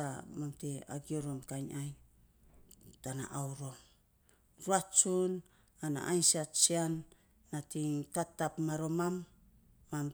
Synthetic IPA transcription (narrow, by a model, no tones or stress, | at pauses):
a̰mamtea̰ɡioɾo̞mkaɲaj | tana̰ʔawɾo̞m | ɾuat͡ʃun | ana̰ʔajnsiat͡ʃianː | atiŋkatːapmaɾo̞mamː | am